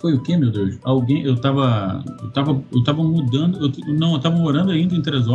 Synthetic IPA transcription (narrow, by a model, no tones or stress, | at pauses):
fojʊkemewd̪ewʃawɡẽj̃ewt̪avɐewt̪avɐewt̪avɐmud̪ɐ̃nd̪ʊewt̪nɐ̃w̃ewt̪avɐmoɾɐ̃nd̪ʊaĩnd̪ɐẽt̪̬ɾezɔ